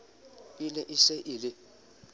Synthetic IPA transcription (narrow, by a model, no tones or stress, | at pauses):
ɪlɛʔɪsɛʔɪlɪ